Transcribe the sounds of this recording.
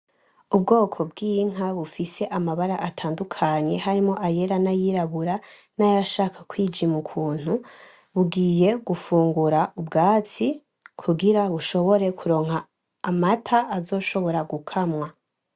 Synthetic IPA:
ub̚ɡo̞ːkʰo̞bɡiːŋ̥ɦaβufise̞ʔamaβaɾaʔatʰaːndukʰaɲe̞haɾimo̞ʔaje̞ɾanajiɾaβuɾa | najaʃakʰḁkwiːd͡ʒimukʰuːn̥u | βuɡiːje̞ɡufuːŋɡuɾaubɡaːt͡si | kʰuɡiɾaβuʃo̞βo̞ɾe̞kʰuɾo̞ːŋhaː | matʰaːzo̞ːʃo̞βo̞ɾaɡukʰamwa

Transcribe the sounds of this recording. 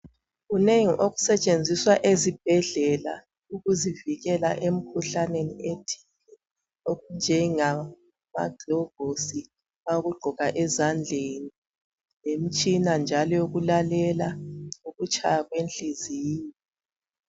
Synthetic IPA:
uneŋiʔoɣu̥sɛt͡ʃʼend͡zʱiswaʔezib̥̚ʱɛɮɛla̰ | uɣuziviɣɛla̰ʔem̩kʰuɬanenietʰi̥nɛ | oɣund͡ʒʱɛŋa | ma̰ɡʱlɔɡ̥ʱosi | aoɣuɡ͡ǃʱɔɣaʔɛzand͡ɮʱeni | jem̩t͡ʃʼinand͡ʒʱalɔuɣulalɛlauɣut͡ʃʼʰajaɣwenɬʼiziːni

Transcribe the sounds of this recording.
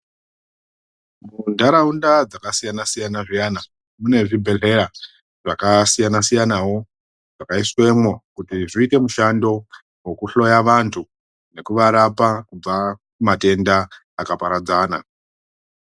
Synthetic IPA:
mundʱaɾaundad͡zakasijanasijanaʐijana | mune̞ʐibʱe̞ɬe̞ɾa | ʐakasijanasijanawo̞ | ʐ̥akaiswe̞mwokutiʐiite̞muʃando̞ | we̞kuɬo̞jaʋantʰu | ne̞kuʋaɾapakub͡va | mate̞ndaː | kapaɾad͡zaːna̰

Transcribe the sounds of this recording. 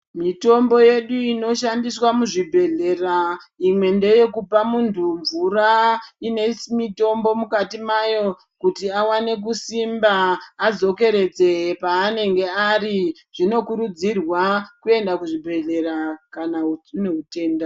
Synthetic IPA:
mito̞mbo̞je̞ɗuino̞ʃandiswamuʐibʱe̞ɮe̞raimwe̞nde̞je̞kupamuntʰuɱvuraine̞mito̞mbo̞mukatimajo̞ | kutiawane̞k̬usimbaːd͡zo̞ke̞ɾe̞d͡ze̞paːne̞ŋɡe̞ariʐ̥ino̞kuɾud͡zirwakue̞ndakuʐibʱe̞ɮe̞ɾakanauneɦute̞ːnda

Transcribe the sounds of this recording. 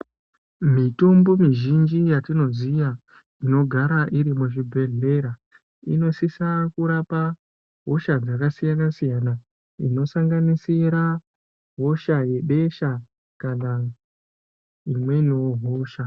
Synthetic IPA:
mito̞mbo̞miʒind͡ʒijatino̞zija | ino̞ɡʱaɾaʔiɾimuʐibʱe̞ɮe̞ɾa | ḭno̞sisakuɾapa | ɦo̞ʃad͡zakasijanasijana | ḭno̞saŋɡanisiɾa | ɦo̞ʃaje̞ɓe̞ʃa | kana | imwe̞ino̞ɦoːʃa

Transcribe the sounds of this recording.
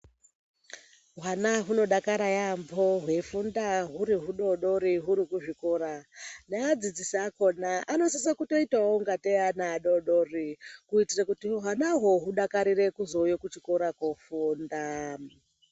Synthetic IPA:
ɦwanaɦuno̞ɗakaɾajambo̞ɦwe̞fundaɦuɾiɦuɗo̞ɗo̞ɾiɦuɾikuʐiko̞ɾanaːd͡zid͡zisiako̞naano̞sis̬akuto̞itawoŋɡateanaɗoɗorikuitirakutiɦanaɦo̞ɦuɗakaɾire̞kuzo̞jokut͡ʃikoɾakofuːnda

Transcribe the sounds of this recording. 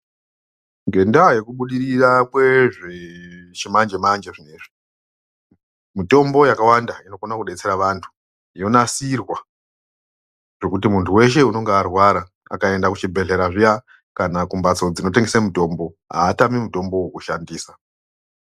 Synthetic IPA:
ŋɡe̞ndaje̞kuɓuɗiɾirakwe̞ʐe̞t͡ʃimand͡ʒe̞mand͡ʒeʐineʐi | mito̞mbo̞jakawandaino̞konakuɗe̞t͡se̞ɾaʋantʰu̥ | jo̞nasirwa | ʐ̥e̞kut̬imuntʰuwe̞ʃ̬e̞uno̞ŋɡearwaɾa | a̰kae̞ndakut͡ʃibʱe̞ɮe̞ɾaʐija | kanakumbat͡so̞d͡zino̞te̞ŋɡesemuto̞mbo̞ | ɦa̰ːtamimuto̞mbo̞wukuʃandiːsa

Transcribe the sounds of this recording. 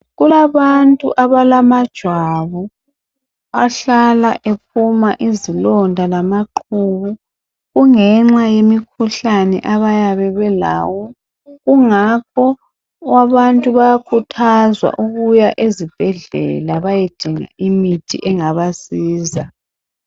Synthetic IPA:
ɣulaβantʼṵʔaβalamad̥ʒ̥ʱwaβɔ | aɬalaʔep̚ʰumaʔizilɔndʱalamaǃʰuβu | ɣuŋɛŋ͡ǁajemikʰuɬanɛ̰ʔaβajaβɛβɛla̰ːwɔ | ɣuŋak̚ʰɔ | waβantʼuβajakʰutʰazwa̰ʔuɣujaʔezib̥ʱɛɮɛ̰laβaje̥d̥ʱiŋa̰imitʰḭʔɛŋaβasiːza

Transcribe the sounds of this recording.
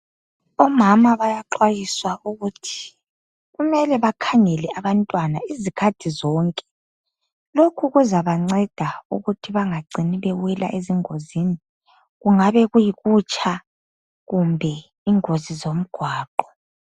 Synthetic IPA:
ɔmamaβajaǃwajiswauɣutʰi̥ | ɣumɛlɛβakʰaŋɛlɛaβantʼwanaizikʰad̥ʰʱizɔːŋkʼɛ̥ | lokʰuɣuzaβaŋ͡ǀɛd̥ʱaṵɣutʰiβaŋaɡ͡ǀʱiniβɛwɛla̰ʔeziŋozini | ɣuŋaβɛɣujiɣut͡ʃʼa | ɣumbʱɛ | iŋozizom̩ɡ̥ʱwaːǃɔ

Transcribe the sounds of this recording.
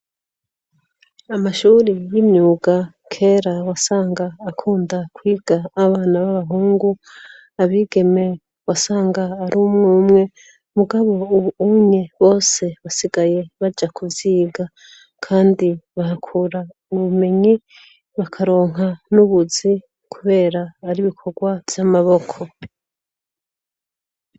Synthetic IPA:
amaʃuːɾijimɲuːɡa | kʰe̞ːɾawasaːŋɡaːkʰuːndakwiːɡ̥aːβaːnaβaβaɦuːŋɡu | aβiːɡe̞me̞ | wasaːŋɡaːɾumŋumŋe̞ | muɡaβo̞uβuuɲeβo̞ːse̞βasiɡaje̞βad͡ʒakuvjiːɡa | kʰaːndiβahakʰuɾa | uβume̞ɲi | βakʰaɾo̞ːŋɦanuβuzi | kʰuβe̞ːɾaaɾiβikʰo̞ɡwav̥jamaβo̞kʰo̞

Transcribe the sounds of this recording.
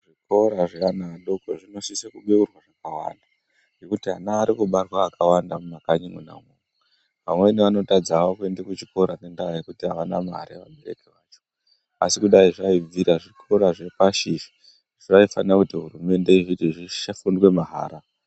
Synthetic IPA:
ʐiko̞ɾaʐeanaɗokoʐino̞sisekuɓeurwaʐakawa̰nda | ɡe̞kutiɦa̰naːɾikuɓarwaːkʰawandamumakaɲimuna̰mwoŋe | ʋamwe̞niʋano̞tad͡zawak̬endekut͡ʃiko̞ɾane̞ndaajekutiɦaʋana̰ma̰ɾiʋa̰ɓe̞ɾḛkeʋaːt͡ʃo̥ | asikuɗaiʐaib͡viɾaʐikʰo̞ɾaʐe̞paʃiʃi̥ | ʐaifanirakutiɦurume̞nde̞iʐitiʐiʃafundwe̞maɦa̰ːɾa

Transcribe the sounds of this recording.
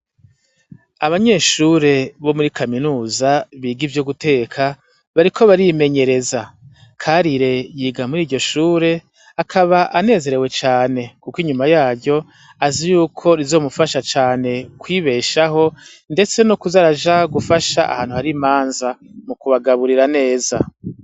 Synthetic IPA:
aβaɲe̞ːʃuɾe̞βo̞muɾikaminuːzaβiːɡivjoɡute̞ːkʰa | βaɾikʰo̞βaɾime̞ɲe̞ɾe̞za | kʰaɾiɾe̞jiːɡamuɾiːɟo̞ʃuːɾe̞ | akʰaβaʔane̞ːze̞ɾe̞we̞t͡ʃaːne̞kukiɲumajaːɾɟo̞ | azijuːkʰo̞ɾizo̞ːmufaʃat͡ʃaːne̞kwiːβe̞ːʃaɦo̞ | nde̞t͡se̞nukuzaɾaʒaɡufaʃa̰ʔa̰ha̰ːn̥huhaɾimaːnzamukuβaɡaβuɾiɾane̞ːza̰

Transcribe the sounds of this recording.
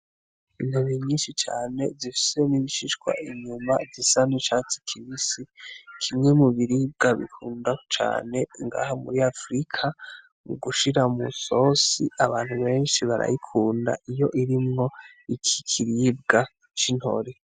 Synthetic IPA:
inuβiɲiːnʃit͡ʃa̰ːne̞zifi̥se̞niβiʃiʃɡwa̰ʔiɲumazisaniʃaːt͡si̥kʰiβisikʰimŋe̞muβiɾib̚ɡaβḭkʰuːndat͡ʃa̰ːne̞iŋɡa̰hamṵɾiafɾikʰa | mṵɡuʃiɾamuso̞siaβaːnhuβe̞ːnʃiβaɾa̰jikʰuːnda̰ʔijo̞ʔiɾimŋo̞ | ikʰi̥kʰiɾib̚ɡa | t͡ʃin̥ho̞̰ɾe

